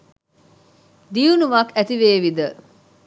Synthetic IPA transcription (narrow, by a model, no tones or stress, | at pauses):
d̪iunumɐkæt̪iʋeːʋid̪ə